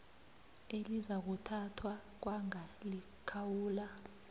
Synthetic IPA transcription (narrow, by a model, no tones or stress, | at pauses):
elizak̬utʰatʰwak̬waŋali | kʰawuːla